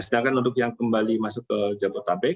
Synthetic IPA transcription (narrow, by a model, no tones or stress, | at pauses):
snakanudʊk̚jaŋkəmbalimasʊkːəd͡ʒabɔt̪abɛk̚